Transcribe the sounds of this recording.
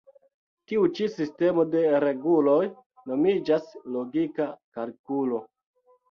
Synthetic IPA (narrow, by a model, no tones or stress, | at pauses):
tiut͡ʃisiste̞mo̞de̞ɾe̞ɡulo̞j | no̞mid͡ʒaslo̞ɡikakalkulo̞